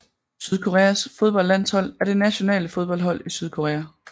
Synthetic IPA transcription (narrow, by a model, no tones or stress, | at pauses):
syð̞ˠkʰo̝ʁɛːæsfo̝ð̞ˠb̥ɒ̽l̰æn̰shɒ̽l̰æɐd̥e̝næɕo̝nɛ̰ːləfo̝ð̞ˠb̥ɒ̽l̰dhɒ̽l̰isyð̞ˠkʰo̝ʁɛːæ